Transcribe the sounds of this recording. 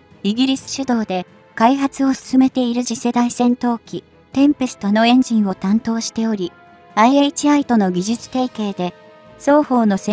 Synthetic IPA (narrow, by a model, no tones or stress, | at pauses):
iɡʲiɾʲisɨ̥ɕɨd̪o̞ːd̪e̞ | kaiɦat͡sɨo̞sɨ̥sɨme̞t̪e̞iɾɯ̟ʑise̞d̪aisẽ̞nt̪o̞ːkʲi | t̪ẽ̞mpesɨ̥t̪o̞no̞ẽ̞ɲ̟d͡ʑĩɰ̃o̞t̪ãnt̪o̞ːɕi̥t̪e̞o̞ɾʲi | aieit͡ɕiait̪o̞no̞ɡʲiʑɨt͡sɨ̥t̪e̞ike̞ːd̪e̞ | so̞ːho̞ːno̞se